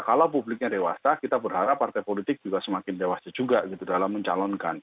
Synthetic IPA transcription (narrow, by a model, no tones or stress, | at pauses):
kalawpublɪk̚ɲadewasakit̪abərɦaɾapːart̪ajpolit̪ɪk̚d͡ʒuɡasəmakɪndewasad͡ʒuɡaɡit̪udalamːəɲt͡ʃa̰lɔnka̰n